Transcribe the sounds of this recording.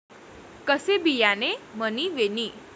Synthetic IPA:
kəsebijaneməniʋeniː

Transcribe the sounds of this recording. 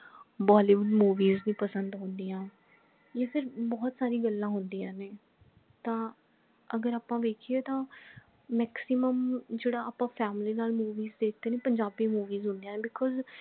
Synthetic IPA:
bɔːliːbəlmuːʋiːznĩːpəsənd̪ɦʊ̃nd̪iːãː | jeːpʰɪɾbɔːt̪saːɾiːɡəlːãːɦʊnd̪iːãːneː | t̪ãː | əɡəɾaːpãːʋeːkʰieːt̪ãː | mɛːksɪməmd͡ʒeːɽaːaːpãːpʰɛːmliːnaːlmuːʋiːzd̪eːk̚ʰd̪eːneːpəɲd͡ʒaːbiːmuːʋiːzɦʊ̃nd̪ijãːnːbɪkʰɔːz

